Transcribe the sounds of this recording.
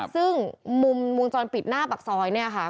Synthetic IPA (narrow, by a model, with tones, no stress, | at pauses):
sɯ˥˩ŋmu˧mwu˧ŋt͡ɕɔː˧npi˨˩t̪̚naː˥˩pa˨˩k̚sɔː˧jni˥˩ɐkʰa˦˥